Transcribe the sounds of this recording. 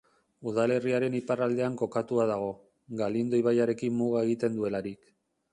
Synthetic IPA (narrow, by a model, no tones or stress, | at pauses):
uð̞ale̞riaɾe̞niparald̪e̞aŋko̞kat̪uað̞aɣ̞o̞ | ɡalind̪o̞iβajaɾe̞kimːuɣ̞ae̞ɣ̞it̪e̞nd̪ue̞laɾik